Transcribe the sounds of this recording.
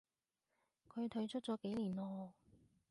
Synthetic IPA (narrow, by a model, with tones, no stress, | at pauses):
kʰɵ˨˧ɥt̪ʰɵ˨˧ɥt͡ʃʰɵ˥t̚t͡sɔː˨˥ke˨˥jliː˨˩nɔː˧